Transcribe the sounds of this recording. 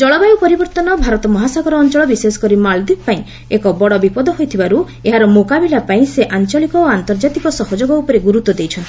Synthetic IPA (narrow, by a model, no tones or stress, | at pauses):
d͡ʒɔɭɔbajupɔɾibɔɾt̪ɔnɔbʱaɾɔt̪ɔmɔɦasaɡɔɾɔːnt͡ʃɔɭɔbisesɔ̥kɔɾimald̪ibpaĩ | ekɔbɔɽɔbipɔd̪ɔɦojt̪ʰibaɾu | eɦaɾɔmokabilapaĩseʔant͡ʃɔlikɔoant̪ɔɾd͡ʒat̪ikɔsɔɦɔd͡ʒoɡɔupɔɾeɡuɾut̪ːɔd̪ejt͡ʃʰɔnt̪ʰi